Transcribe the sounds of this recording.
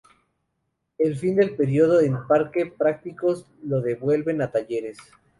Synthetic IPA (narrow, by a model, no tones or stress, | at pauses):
e̞lfind̪e̞lpe̞ɾjo̞ðoðempaɾke̞pɾak̚t̪iko̞z | lo̞ðe̞βwe̞lβe̞nat̪aʝe̞ɾe̞s